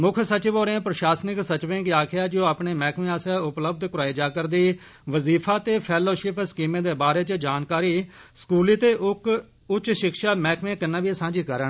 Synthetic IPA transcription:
mʊkʰsət͡ʃɪʋoːɾẽːpɾəʃaːsnɪksət͡ʃʋẽːɡiaːkʰɪjaːd͡ʒoːaːpɳeːmɛːkʰmẽːaːsaːʊpləb̚d̪kʊɾaːiːd͡ʒaːkəɾd̪iː | ʋəziːpʰaːt̪eːpʰɛːloːʃɪpskiːmẽːd̪eːbaːɾeːt͡ʃəd͡ʒaːnkaːɾiːskuːliːt̪eːʔʊk | ʊt͡ʃːʃɪkʃaːmɛːkmẽːkənːãːʋiːsãːd͡ʒiːkəɾən

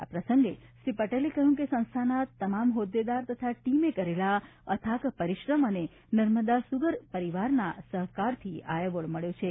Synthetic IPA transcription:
a̰pɾəsə̃ŋɡeʃɾipəʈelekəɦjũkesə̃ñst̪ʰanat̪əmamɦod̪ed̪aɾt̪ət̪ʰaʈimekəɾelaət̪ʰakpəɾiʃɾəməne | nəɾməd̪asuɡəɾpəɾiʋaɾna̰səɦkaɾt̪ʰia̰jəʋəɭməɭjot͡ʃʰe

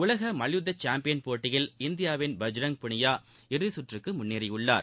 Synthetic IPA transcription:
ʊlɐɣɐmɐlɪjɯðːɐt͡ʃːaːmpɪjɐnpoːʈːɪjɪlɪnd̪ɪjaːʋɪnbɐd͡ʒɾɐŋpʊɳɪjaː | ɪɾɯðɪsʊʈrɯkːɯmʊnːiːɾɪʊɭːa̰ːɾ

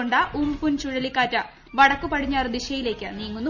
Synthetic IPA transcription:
oɳɖaʔumpunt͡ɕuɻɐlikːaːtːɐ | ʋɐɽɐkːupɐɽiɲːaːrd̪iɕɐjile̞ːkʲːɐniːŋːonː

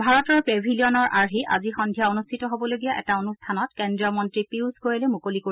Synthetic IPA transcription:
bʱaɹɔtɔɹpebʱiliɔnɔɹʔaɹɦiʔa̰zixɔndʱijaonustʰitɔɦobɔloɡijaʔɛ̰taonustʰanɔtkɛndɹiɔmɔntɹipiwsɡojɛlɛmukoliko

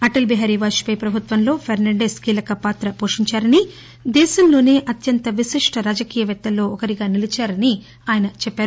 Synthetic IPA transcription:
ɐʈɐlbɛɦaːɾiʋaːʃi̥pɐjpɾɐbʱut̪ʋɐmlo̞ːpʰɐɾnɐɳɖeːskiːlɐkɐpaːt̪ɾɐpo̞ːʂiɲt͡ʃaːɾɐni | d̪ɛːʃɐmlo̞ːne̞ːʔɐt̪jɐnt̪ɐʋiʃiʂʈɐɾaːd͡ʒɐkiːjɐʋɛt̪ːɐlːo̞ːɔkɐɾiɡaːnilit͡ʃaːɾɐni | aːjɐnɐt͡ʃɛpːaːɾu

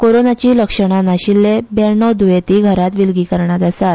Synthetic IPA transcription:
koɾonat͡ɕiːləkʂəɳanaɕilːebɛɾɳɔd̪ujet̪iːɡʱəɾat̪ʋilɡiːkəɾɳat̪asat̪

